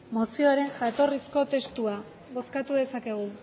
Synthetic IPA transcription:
mo̞sioɾe̞ŋʝat̪o̞risko̞t̪e̞st̪ua | ɣo̞skat̪uðe̞sake̞ɣ̞u

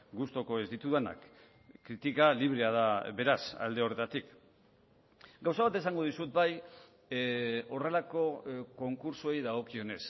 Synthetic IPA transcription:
ɡust̪o̞ko̞e̞zd̪it̪uðana̰kː | ɾit̪ikaliβ̞ɾe̞aðaβe̞ɾasa̰ld̪e̞o̞re̞t̪at̪ik | ɡawsaβat̪e̞saŋɡo̞ðisut̪̚baj | o̞re̞lako̞ko̞ŋkuɾsuejðaɣo̞kio̞ne̞s

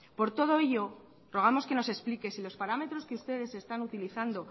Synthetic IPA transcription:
po̞ɾt̪o̞ð̞o̞eʝo̞ | ro̞ɣ̞amo̞ske̞no̞se̞splike̞silo̞spaɾame̞t̪ɾo̞skeust̪e̞ðe̞se̞st̪anut̪iliθand̪o̞

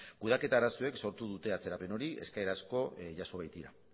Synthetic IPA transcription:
kuð̞ake̞t̪aːɾasue̞kso̞ɾt̪uðut̪e̞at͡se̞ɾape̞no̞ɾie̞̰skaeɾasko̞ʝaso̞βajt̪iɾa

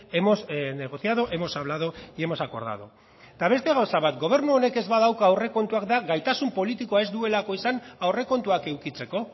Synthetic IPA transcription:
e̞mo̞sne̞ɣ̞o̞θjaðoʔe̞mo̞saβ̞lað̞oie̞mo̞sako̞̰ɾð̞a̰ðo̰ | t̪aβ̞e̞st̪e̞ɣ̞awsaβat̪ɡo̞β̞e̞ɾnuo̞ne̞ke̞zβaðawkaːwre̞ko̞nt̪uakd̪aɣajt̪asumpo̞lit̪ikoae̞zd̪ue̞lako̞isanawre̞ko̞nt̪uake̞wkit͡se̞ko̞

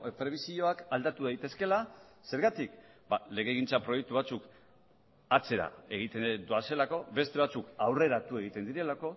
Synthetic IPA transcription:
pɾe̞β̞isio̞akald̪at̪uðajt̪e̞ske̞lase̞ɾɣat̪ik | bale̞ɣe̞ɣ̞int͡sapɾo̞jek̚t̪uβ̞at͡suk | at͡se̞ɾa̰e̞ɣ̞it̪ed̪uase̞lako̞βe̞st̪e̞βat͡sukawre̞ɾat̪ue̞ɣ̞it̪e̞nd̪iɾe̞lako̞

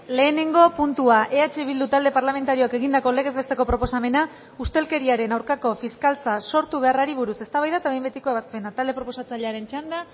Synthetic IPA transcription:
le̞ːne̞ŋɡo̞punt̪uaʔe̞at͡ʃe̞βild̪ut̪ald̪e̞paɾlame̞nt̪aɾio̞ake̞ɣind̪ako̞le̞ɣe̞zβet̪e̞ko̞pɾo̞po̞same̞na | ust̪e̞lke̞ɾiaɾe̞nawɾkako̞fiskalt͡saso̞ɾt̪uβe̞araɾiβ̞uɾuse̞st̪aβajðaet̪aβe̞jmbe̞t̪i̥ko̞e̞βaspe̞nat̪ald̪e̞pɾo̞po̞sat͡saʎeaɾe̞nt͡ʃand̪a

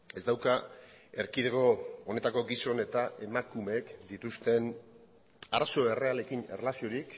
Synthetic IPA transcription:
e̞zd̪awkae̞ɾkiðeɣo̞one̞t̪ako̞ɡiso̞ne̞t̪aʔe̞makume̞kd̪it̪ust̪e̞n | aɾaso̞e̞re̞ale̞kinerelasio̞ɾik

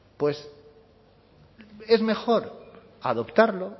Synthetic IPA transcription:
pwe̞s | e̞zme̞xo̞ɾ | aðo̞pt̪aɾlo̞

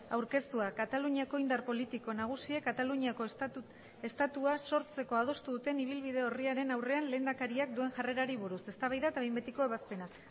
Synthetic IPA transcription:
awɾke̞st̪uakat̪aluɲiako̞ind̪arpo̞lit̪iko̞naɣ̞usie̞kat̪aluɲiako | est̪at̪uaso̞ɾt͡se̞ko̞að̞o̞st̪uðut̪e̞niβ̞ilβið̞e̞o̞riaɾe̞nawre̞anle̞ːnd̪akaɾiak̚d̪ue̞nʝare̞ɾaɾiβ̞uɾuse̞st̪aβajðat̪aβejmbe̞t̪iko̞e̞βaspe̞na

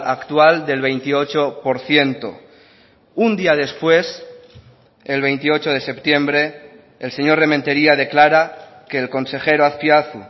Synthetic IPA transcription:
akt̪wald̪e̞lβe̞jnt̪io̞t͡ʃopo̞ɾθje̞nt̪o̰ | und̪iað̞e̞spwe̞s | e̞lβ̞e̞jnt̪io̞t͡ʃoð̞e̞se̞pt̪je̞mbɾe̞ː | lse̞ɲo̞ɾremẽnt̪e̞ɾiað̞e̞klaɾa | ke̞ːlko̞nse̞xe̞ɾoaθpjaθu

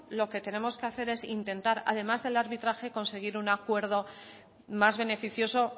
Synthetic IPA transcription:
lo̞ke̞t̪e̞ne̞mo̞skeaθe̞ɾe̞sint̪e̞nt̪aɾa̰ðe̞mazðe̞laɾβit̪ɾaxe̞ko̞nse̞ɣ̞iɾunakwe̞ɾðo̞ | mazβe̞ne̞fiθjo̞so̞

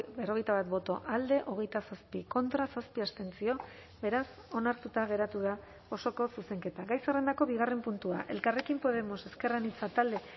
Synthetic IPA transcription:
bero̞ɣ̞ejt̪aβat̪bo̞t̪o̞ʔald̪e̞ʔo̞ɣ̞e̞jt̪asaspiko̞nt̪ɾasaspiast̪e̞nst͡sio̞ | βe̞ɾas | o̞naɾt̪ut̪aɣ̞e̞ɾat̪uð̞a | o̞so̞ko̞suse̞ŋke̞t̪aɣajsere̞nd̪ako̞βiɣ̞are̞mpunt̪ua̰ʔe̞̰lkare̞kimpo̞ð̞e̞mo̞se̞ske̞ranit͡sat̪ald̪e̞

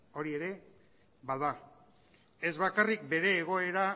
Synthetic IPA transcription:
o̞ɾie̞ɾe̞ | βbaða | e̞zβakarikbe̞ɾe̞ːɣ̞o̞e̞ɾa

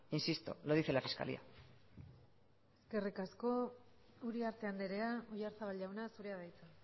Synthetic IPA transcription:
insist̪ṵloðiθelafiska̰lḭa̰ | eske̞rikasko̞ | uɾiaɾt̪e̞and̪eɾe̞aojaɾt͡saβalʝawnasuɾeaðajt͡sa

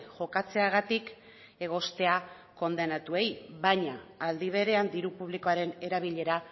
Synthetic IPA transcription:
ʝo̞kat͡se̞aɣ̞at̪ik | e̞ɣ̞o̞st̪e̞a | ko̞nd̪e̞nat̪ue̞jβajɲaːld̪iβ̞e̞ɾe̞and̪iɾupuβ̞liko̞aɾe̞ne̞ɾaβ̞iʎe̞ɾa

